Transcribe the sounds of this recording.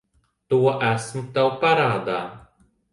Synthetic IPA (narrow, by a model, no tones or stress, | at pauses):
t̪uɔʔæsmut̪awpaɾaːd̪aː